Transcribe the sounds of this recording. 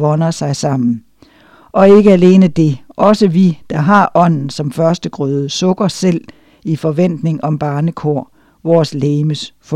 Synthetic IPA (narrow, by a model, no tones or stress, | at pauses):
ʋɒ̽nɐsɑ̈ɪsɑ̈m̰n̩ | ʔɒ̽e̝ɡ̥əæle̝ːnəd̥e̝ʔɒ̽səʋid̥ɑ̈ɦɑ̈ʔɒ̽n̰n̩sɒ̽mfɶɐsd̥əɡ̥ʁœːðˠəsɔ̽ɡ̥ɐsel̰ | ifɒ̽ʋen̰d̥ne̝ŋɒ̽mb̥ɑ̈ːnəkʰoɐ̰ | ʋɒːsleːməsf